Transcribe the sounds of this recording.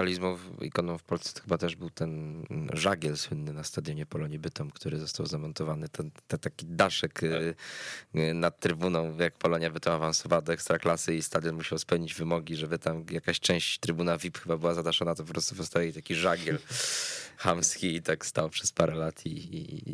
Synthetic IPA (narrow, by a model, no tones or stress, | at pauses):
alʲizmuḭkɔnɔ̃w̃fpɔlst̪sɛ̥t̪ɔ̥xɘbat̪ɛʐbɘwt̪ɛnʐaɡʲɛlswɘnːɘnast̪ad̪jɔɲɛpɔlɔɲɛbɘt̪ɔmkt̪ʰuɾɘzɔst̪awzamɔnt̪ɔvanɘt̪ɛnt̪ɛt̪akʲid̪aʂɛk | nat̪̚t̪ːɾɘbunɔ̃w̃jakpɔlɔɲjabɘt̪ɔ̃w̃avansɔvawad̪ɔɛkst̪ɾaklasɘist̪ad̪jɔnmuɕawspɛwɲid͡ʑvɘmɔɡʲiʐɛbɘt̪amjakaɕt͡ʂɛ̃w̃ɕt͡ɕt̪ɾɘbunavʲipxɘbabɘwazad̪aʂɔnat̪ɔpɔpɾɔst̪u̥pɔst̪avjɛt̪akʲiʐaɡʲjɛl | xamskʲiːt̪akst̪awpʂɛspaɾɛlat̪ʰi